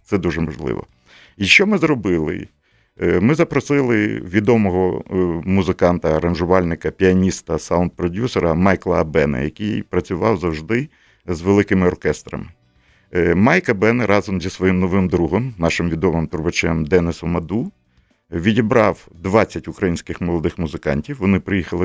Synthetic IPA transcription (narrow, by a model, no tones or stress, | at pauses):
t̪sɛd̪uʒɛmɐʒlˠɪ̰ʋɔ̰ | iʃt͡ʃɔmɪzrɔbɪlˠɪ̰ | mɪzɐpɾɔsɪlˠɪʋʲid̪ɔmɔɦɔmuzɪkɑnt̪ɐːɾɐnʒʊʋɑlʲnɪkɐpʲiɐnʲist̪ɐsaʊnt̪̚pɾɔdʲusɔɾɐmɑjklˠɐɐbɛnɐ̰jɐkʲijpɾɐt͡sʲʊʋɑwzɐwʒd̪ɪ | zʋelˠɪkɪmɪɔrkɛst̪ɾɐ̰mɪ | mɑjkɐbɛnɛɾɑzɔmzʲisʋɔjimnɔʋɪmd̪ɾuɦɔmnɑʃɪmʋʲid̪ɔmɪmt̪ʊɾbɐt͡ʃɛmd̪ɛnɪsɔmɐd̪u | ʋʲidʲibɾɑwd̪ʋɑt͡sʲːɐtʲʊkɾɐjinʲsʲkɪxmɔlˠɔd̪ɪxmʊzɪkɑ̰nʲtʲiwʋɔnɪpɾɪjixɐlˠɪ